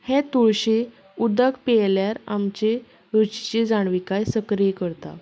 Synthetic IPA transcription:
hẽt̪uɭɕe | ud̪əkpeljaɾa̰mt͡ɕe | ɾut͡ɕt͡ɕed͡zaɳ̃ʋikajsəkɾijekəɾt̪a̰

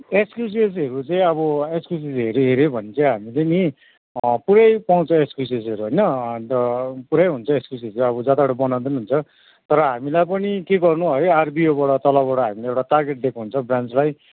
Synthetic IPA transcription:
ekskjus̬ies̬ɦʌɾut͡saĩʌβʌekskjus̬isɦeɾuɦeɾebʱʌnit͡saĩɦamileni | puɾajpaw̃t͡sʰʌ̃ekskjus̬es̬iʌɾuɦʌjnʌ | puɽajɦunt͡sʰʌekskjus̬iesʌbʌd͡zat̪aɽʌbʌnaw̃d̪inuɦunt͡sʰʌ | t̪ʌɾʌɦamilajpʌnikeɡʌrnuɦʌjarbiobaɽʌt̪ʌlʌbbaɽʌɦamileewʈat̪arɡeʈ̚d̪ekʰnuɦunt͡sʰʌbrant͡slaj

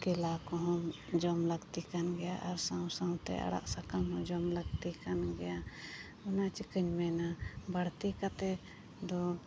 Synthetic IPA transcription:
kɛlakɔɦɔm | d͡ʒɔmləɡt̪ikanɡɛjaʔaɾsãw̃saw̃t̪ɛ̰ʔa̰ɽa̰ʔsakamɦɔ̃d͡ʒɔmləɡt̪ikanɡɛja | ɔnat͡ʃikəɲmɛnabaɽt̪ikat̪ɛ | d̪ɔ

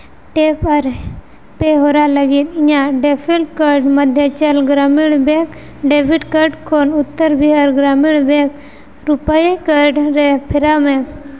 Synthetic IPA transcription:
ʈepəɾ | peɦoɾaləɡit̪iɲãɖepʰilʈkəɾɖməd̪ʱjət͡ʃəlɡɾamiɽbẽk | ɖebiʈkəɾɖkʰoːnut̪ːəɾbʱiəɾɡɾamiɽbẽk | ɾupajikəɾɖɾepʰiɾamẽ

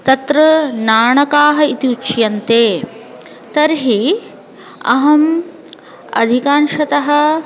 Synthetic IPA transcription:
t̪ɐt̪ɾɐnaːɳɐkaːɦɐ̆it̪iut͡ʃjɐnt̪eː | t̪ɐɾɦi | ɐ̰ɦɐm | ɐ̰d̪ʱikaːnʃɐt̪ɐɦɐ̆

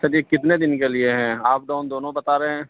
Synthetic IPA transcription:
sɐɾiekɪt̪ned̪ɪnkelieɦɛ̃ːaːp̚d̪oːnd̪oːnõbɐt̪aːɾeɛ̃ː

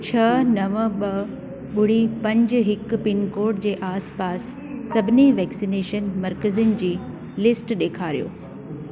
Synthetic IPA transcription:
t͡ɕʰɐnɐʋəɓɐ | ɓʊɽ̤ipɐ̃ɲd͡ʑ̆ɦɪkpɪnkoːɾʈd͡ʑeːʔaːspaːsː | ɐbʱɪniʋɛːksineːʃənmɐɾkəziɪnd͡ʑiː | lɪsʈɗeːkʰaːɾijo̰ː

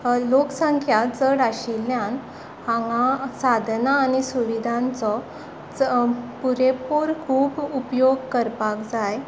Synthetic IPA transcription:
loksãŋkʰjad͡zəɽaɕiljãn | hãŋɡasad̪ʱnaːñisuʋid̪ʱãnt͡sɔ | puɾepoɾkʰuːbupjoɡkəɾpakd͡zaj

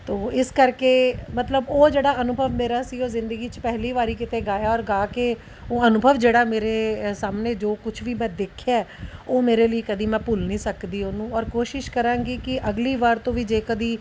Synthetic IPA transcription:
t̪oːɪskəɾkeːmət̪ləboːd͡ʒeːɽaːənʊbʱəʋmeːɾaːsiːoːzɪ̃nd̪əɡiːt͡ʃəpɛɦliːʋaːɾiːkɪt̪eːɡaːjaːɔːɾɡaːke | oːənʊbʱəʋd͡ʒeːɽaːmeːɾeːsaːmneːd͡ʒoːkʊt͡ʃʰʋiːbɛd̪ɪkʰːaɛːoːmeːɾeːləiːkəd̪iːmɛ̃ːpʊlniːsəkd̪iːoːnũːɔːɾkoːʃɪʃkəɾãːŋɡiːkɪʔəɡliːʋaːɾt̪õːʋiːd͡ʒeːkəd̪iː

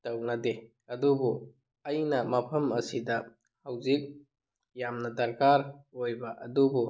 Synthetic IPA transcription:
tɐwnɐde | ɐdubu | ɐjnɐmɐpʰɐmɐsidɐ | hawzik̚ | jamnɐdɐɾkaɾojbɐʔɐdubu

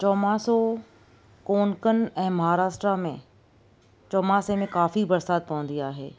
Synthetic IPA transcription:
t͡ɕɔːmaːso | koːnkən̆ɛ̃ːmɐɦaːɾaːsʈɾamẽ | t͡ɕɔːmasemẽkaːfibɐɾsaːt̪̚pɐ̃ʋə̃nd̪iaːɦḛː

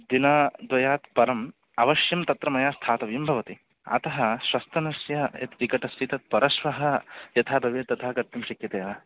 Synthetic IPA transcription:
d̪inaːd̪ʋɐjaːt̪pɐɾɐm | ɐʋɐʃjɐmt̪ɐt̪ɾɐmɐjaːst̪ʰaːt̪ɐʋjɐmbʱɐʋɐt̪i | ɐ̰t̪ɐɦɐʃwɐst̪ʰɐnɐsjɐjɐ̰t̪ɾikɐʈɐst̪it̪ɐt̪̚pɐɾɐʃʋɐɦɐjɐt̪ʰaːbʱɐʋet̪ːɐt̪ʰɐːɦɐkɐɾt̪ɐmʃɐkjɐt̪eːjaː

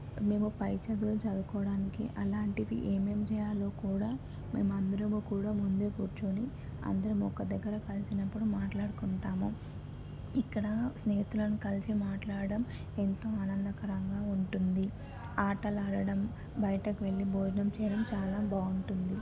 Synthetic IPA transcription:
me̞ːmupɐjt͡ʃɐd̪ulut͡ʃɐd̪ukɔːɽaːnikḭʔɐlaːɳʈiʋḭʔeːme̞ːmt͡ʃɛːjaːlo̞ːkuːɽaː | me̞̰ːmuɐnd̪ɐɾɐmuːkuːɽaːmund̪eːkuːɾt͡ʃoːni | ɐ̰nd̪ɐɾɐmɔkːɐd̪ɐɡːɐɾɐkɐlisinɐpːuɽumaːʈlaːɽukuɳʈaːmu | ikːɐɽɐsneːit̪ulɐnukɐlisimaːʈlaːɽɐɽɐm | e̞nt̪o̞ːaːnɐnd̪ɐkɐɾɐŋɡaːuɳʈund̪i | aːʈɐlaːɽɐɽɐm | bɐjɐʈɐkiʋe̞ɭːibʱoːd͡ʒnɐmt͡ʃɛːjɐɽɐmt͡ʃaːlaːbaːuɳʈund̪i

